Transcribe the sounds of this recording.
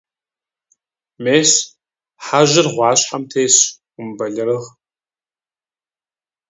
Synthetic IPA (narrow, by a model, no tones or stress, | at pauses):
meːs | ħaʒɪrʁʷɑːɕħamtʰeːɕ | ʊmbɐɮɨrɨʁ